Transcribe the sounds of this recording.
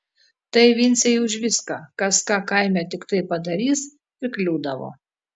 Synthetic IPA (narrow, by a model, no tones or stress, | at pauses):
t̪ɐɪʋʲɪnʲsʲɛjʊʒʲʋʲɪskɑːkɐskɑːkɐɪmʲɛt̪ʲɪkt̪ɐɪpɐd̪ɐɾʲiːsʲ | ɪklʲuːd̪ɐʋo̰ː